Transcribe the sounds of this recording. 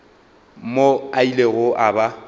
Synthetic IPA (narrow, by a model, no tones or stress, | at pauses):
moaileɣʊʔaba